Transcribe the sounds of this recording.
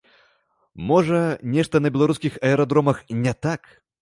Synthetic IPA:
mɔʐɐnʲɛʂt̪ɐnɐbʲɛlˠaɾuskʲixɐɛɾɐd̪ɾɔmɐxnʲɛt̪ak

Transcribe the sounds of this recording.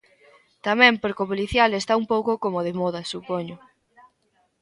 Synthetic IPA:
t̪amɛ̃mpoɾkopoliθjalest̪aumpowkokomoð̞emɔðɐsupoɲʊ

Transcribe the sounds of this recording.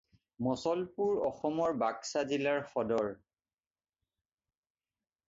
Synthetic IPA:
mɔsɔlpuɹɔxɔmɔɹbaksazilaɹxɔdɔɹ

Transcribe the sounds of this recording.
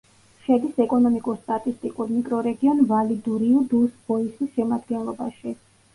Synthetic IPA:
ʃɛd̪isɛkʼɔnɔmikʼuɾst̪ʼat̪ʼist̪ʼikʼuɾmikʼɾɔɾɛɡiɔnvalid̪uɾiud̪usb̥ɔisisʃɛmad̪ɡɛnlˠɔba̰ʃi

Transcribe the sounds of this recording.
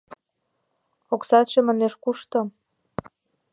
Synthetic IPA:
oksɑt̪ʃĕmɑneʃkuʃt̪ɤ̆m

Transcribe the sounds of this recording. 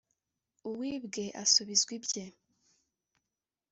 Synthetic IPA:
uwiːbɡe̞ʔasuβizɡwibje

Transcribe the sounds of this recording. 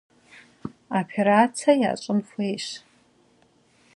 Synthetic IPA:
opʰeɾat͡sʰaja̰ːt͡ʃʷʼɨmfejʃ

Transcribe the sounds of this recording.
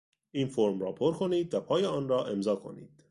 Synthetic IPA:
ʔiːnfoɾmrɒ̰ːpʰo̞ɾkʰo̞niːd̪væpʰɒːjeɒːnrɒːʔe̞mzɒːkʰo̞̰nḭːd̪̥

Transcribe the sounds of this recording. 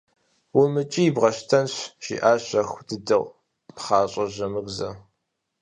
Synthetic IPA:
wumɨt͡ʃʼijːbʁɐʃtʰɐnɕʒ̥ḭːʔaːɕɐxʷdɨdɨʁʷ | pχɑːɕʼɐʑɐmɨɡzɐ

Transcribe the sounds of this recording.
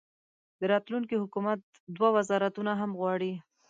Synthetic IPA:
d̪əɾɑt̪luŋkihʊkumat̪̚ | d̪wawazɑɾat̪unaɦamɣwɑɽi

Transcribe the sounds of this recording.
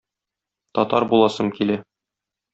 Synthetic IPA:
t̪ɒt̪ɑɾbulˠɑsɤmkilæ

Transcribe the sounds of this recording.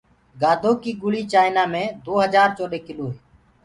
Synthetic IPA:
ɡaːd̪ʱoːkiːɡʊɭiːt͡ʃaːɪnaːmẽːd̪oːɦəd͡ʒaːɾt͡ʃoːɗeːkɪloːɦeː

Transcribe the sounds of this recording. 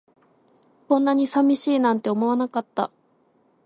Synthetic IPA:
kõ̞nːaɲ̟isamʲiɕiːnãnt̪e̞omo̞anakat̪ːa̰

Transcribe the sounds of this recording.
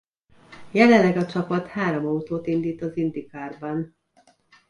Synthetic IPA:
jɛlɛlːɛɡɒt͡ʃɒpɒt̪haːɾomɒut̪oːt̪ind̪iːt̪ɒzind̪ikaːrbɒn

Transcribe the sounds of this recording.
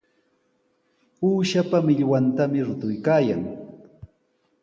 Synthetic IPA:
uːʃapamɪʎwant̪amɪɾʊt̪ʊjkaːjaŋ

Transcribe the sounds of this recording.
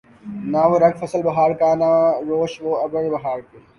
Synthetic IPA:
naːʋoɾɐɡfʰɐsəlbɐɦaːɾkaːnaɾoːʃʋoːɐbɾəɽbɐɦaːɾkeː

